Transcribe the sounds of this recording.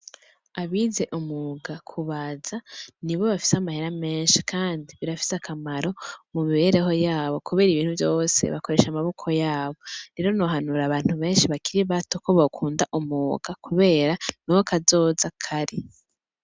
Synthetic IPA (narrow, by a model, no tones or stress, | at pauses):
aβize̞ʔumuːɡakʰuβazaniβo̞βafi̥seamahe̞ɾame̞ːnʃi̥kʰaːndiβiɾafi̥sakʰamaɾo̞mumiβe̞ɾe̞ɦo̞jaːβo̞kuβe̞ːɾiβiːn̥huvjo̞ːsḛβako̞ɾe̞ːʃamaβo̞kʰo̞jaːβo̞ɾe̞ɾo̞no̞ɦanuɾaβaːn̥huβe̞ːnʃiβakiɾiβato̞ko̞βokʰuːndaʔumuːɡakuβe̞ːɾanowokʰazo̞ːzakʰaɾi